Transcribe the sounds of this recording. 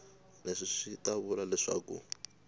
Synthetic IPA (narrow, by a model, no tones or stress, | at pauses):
neʂiʂitaβulalɛʂa̰ːkṵ